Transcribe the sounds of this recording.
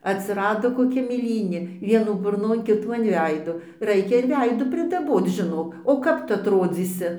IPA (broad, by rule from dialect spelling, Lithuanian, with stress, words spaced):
ɐtʲsʲɪˈrɑːdoː koːˈkʲɛ mʲeːˈlʲiːnʲeː ˈʋʲiɛnuː bʊrˈnoːn ˈkʲɪtuː ɐn ˈʋʲɛɪdoː ˈrɐɪkʲɛ ɪr ˈʋʲɛɪduː pʲrʲɪdɐˈboːt͡s ʒʲɪˈnoːk oː ˈkɐp ˈtʊ ɐtˈroːd͡zʲiːsʲɪ